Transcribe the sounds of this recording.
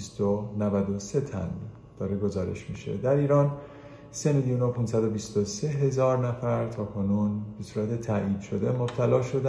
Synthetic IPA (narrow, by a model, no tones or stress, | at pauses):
st̪onævæd̪o̞se̞t̪ʰæ̰n | d̪̥ɒːɾe̞ɡo̞zɒːɾe̞̰ʃmiːʃe̞̰d̪æɾiːɾɒːn | se̞miljuːnopʰunsæd̪o̞bist̪o̞se̞ɦe̞zɒːɾnæfæɾt̪ʰɒːkʰonuːnbe̞suːɾæt̪ʰe̞t̪ʰæʔiːd̪̥ʃo̞d̪e̞mo̞b̥̚t̪ʰælɒːʃo̞d̪æ